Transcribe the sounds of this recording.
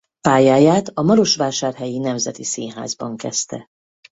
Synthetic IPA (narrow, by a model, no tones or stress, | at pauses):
paːjaːjaːt̪ɒmɒɾo̞ʃʋaːʃaːrɦɛjinɛmzɛt̪isiːnɦa̰ːzbɒŋkɛst̪ɛ̰